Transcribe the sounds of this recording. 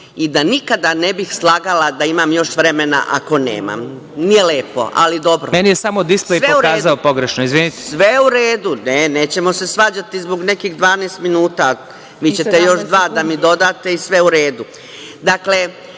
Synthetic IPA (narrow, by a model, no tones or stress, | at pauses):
id̪anikad̪ane̞bixslˠaːɡalad̪aimamjo̞ʃʋɾe̞mena̰ʔa̰ko̞nḛːma̰m | nijeleːpo̞̰ʔa̰lid̪o̞bɾomenijesamod̪isplejeouɾaːzaopoɡɾeʃnoizʋinit̪esʋeuɾeːd̪uneneːt͡ɕe̞mo̞se̞sʋaːd͡ʑat̪izboɡne̞kiɣd̪ʋaːnest̪minuːt̪a | ʋiːt͡ɕe̞t̪e̞jo̞ʃd̪ʋaːd̪amid̪o̞d̪aːt̪e̞isʋe̞uɾe̞ːd̪u | d̪akle̞